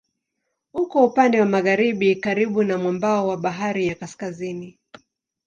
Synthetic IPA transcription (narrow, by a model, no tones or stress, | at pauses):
hukɔupandɛwamaɣaɾiɓikaɾiɓunamwambaɔwaɓaɦaɾijakaskazini